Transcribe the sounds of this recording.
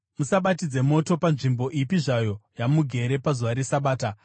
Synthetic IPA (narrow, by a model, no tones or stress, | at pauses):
musaɓatid͡ze̞mo̞to̞panʐimbo̞ʔipiʐajo̞jamuɡʱe̞ɾe̞pazuʋaɾesaɓaːta